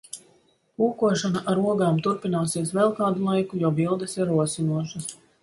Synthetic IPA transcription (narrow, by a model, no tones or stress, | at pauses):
puːkuɔʃanaʔaɾuɔɡaːmt̪uɾpinaːsiɛsvɛlˠkɑːd̪ulˠajkujɔːbilˠd̪esiɾuɔsinuɔʃɐs